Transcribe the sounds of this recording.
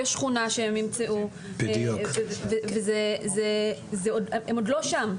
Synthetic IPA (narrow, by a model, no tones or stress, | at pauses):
jɛʃχunaʃehemːimt͡seʔu | bedvevezezezeodemodlo̞ʃam